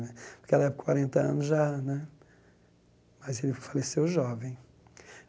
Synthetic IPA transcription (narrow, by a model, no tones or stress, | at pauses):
nɛpʊ̥ɾkeɛlɐɛpkwaɾẽnt̪ɐɐ̰̃nʊzʒanɛ | mɐzelɪfalesewʒɔvẽj̃